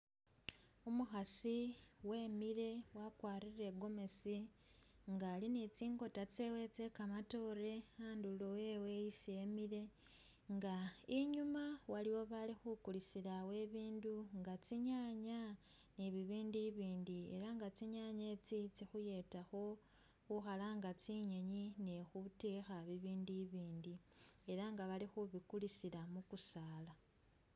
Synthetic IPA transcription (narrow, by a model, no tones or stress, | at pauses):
umuxasiwe̞ːmiɾe̞wakwaːrire̞ɡo̞me̞si | ŋɡaːlinit͡siːŋɡo̞tat͡se̞we̞t͡se̞kamato̞ɾe̞aːndulowe̞we̞isie̞miɾe̞ | ŋɡaiɲumawaliwo̞βalixukulisiɾawe̞βiːnduŋɡat͡siɲaɲa | niβiβiːndiβiːndie̞̰ɾaŋɡat͡siɲaɲet͡sit͡sixuje̞taxo̞ | xuxalaːŋɡat͡siɲeɲinexutexaβiβiːndiβiːndi | e̞ɾaŋɡaβalixuβikulisiɾamukusaːla